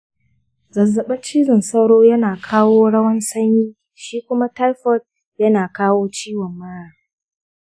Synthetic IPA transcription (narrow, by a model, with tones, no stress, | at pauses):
zɐ˨zːɐ˨ɓɐ˦t͡ʃiː˦zɪ˨nsɐ˦wɽoː˦jɐ˦naː˨kʰaː˦woː˦ɽɐ˦wɐ˦nsɐ˦ɲjiː˦ | ʃiː˦kʷʊ˦ma˦ta˦jɸɔ˦˨d̚ | jɐ˦naː˨kaː˦woː˦t͡ʃiː˦wɔ˨mːaː˦ɽaː˦